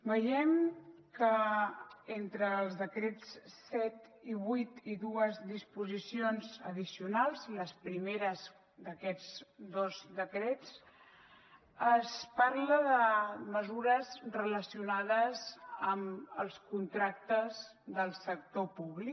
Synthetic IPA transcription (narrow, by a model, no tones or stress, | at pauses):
bəjɛmkə | ent̪ɾəːlˠzðəkɾet͡ssːɛt̪iβut̪iðuəzðispuzisionzəðisiunalˠzləspɾimeɾəz | d̪əkɛd͡zd̪ozd̪əkɾet͡s | əspaɾləðəməzuɾəzrələsiunaðəzəməlˠskunt̪ɾak̚t̪əz | ðəlˠsək̚t̪opuβlik